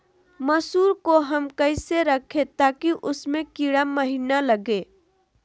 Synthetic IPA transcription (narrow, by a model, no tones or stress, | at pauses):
məsuːɾkoɦəmkəɪseɾəkʰet̪akiʔʊsmẽkiɽaməɦinaləɡe